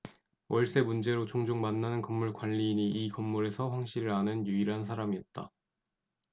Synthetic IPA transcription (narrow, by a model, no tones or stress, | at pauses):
wʔʌɭs͈e̞mund͡ʑe̞ɾot͡ɕʰoŋd͡ʑoŋmanːanɯnkʌmːuɭkwanʎːiːɲiʔikʌmːuɾe̞sʰʌɸwaŋɕ͈iɾɯɾanɯnjuiɾɦans̬ʰaɾamiʌt̚t͈a̰